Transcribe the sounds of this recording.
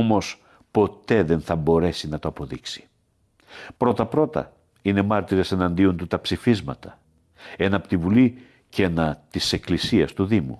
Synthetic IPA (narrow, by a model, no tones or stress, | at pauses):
omo̞s | po̞t̪e̞ðe̞nθɐbo̞ɾe̞sinɐt̪oɐpo̞ðiksi̥ | pɾo̞t̪ɐpɾo̞t̪ɐ̰ | ine̞mɐɾt̪iɾe̞se̞nɐnd̪io̞nt̪ut̪ɐpsifizmɐ̰t̪ɐ̥ | e̞nɐːpo̥t̪ivuli | cenɐt̪ise̞klisiɐst̪uðimṵ